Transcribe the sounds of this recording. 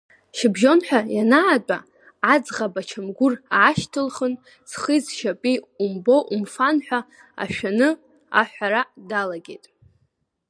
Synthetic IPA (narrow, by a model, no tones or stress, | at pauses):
ʃɪbʒo̞nħʷᶣajanaːt͡pʼa̰ | ad͡zʁabat͡ʃʰamɡʷʊraːʃtʰɨlχən | sʰχizʃapʼiumbo̞ʔumfanħʷᶣa | a̰ʃᶣanɨ | a̰ħᶣʷaɾadalaɡʲḛtʼ